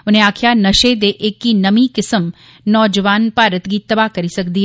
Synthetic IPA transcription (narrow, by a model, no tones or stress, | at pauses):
ʊnɦẽaːkʰjanɐʃeːd̪eʔeːkːinɐmikɪsəm | nɔːd͡ʒəʋaːnpaːɾət̪ɡit̪ɐbaːɦkɐɾisɐkd̪iɦ